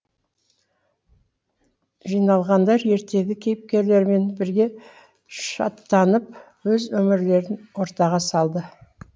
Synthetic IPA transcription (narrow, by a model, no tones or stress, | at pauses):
ʒijnɑlˠʁɑnd̪ɑɾje̞ɾt̪e̞ɡʲɪkʲʰe̞jɪp̚kʲe̞ɾle̞ɾme̞nbɪɾɡʲe̞ | ʃɑ̰t̪ːɑnəp̚ | wɵzwɵmɪɾle̞ɾɪnwo̞ɾt̪ɑʁɑsɑlˠd̪ə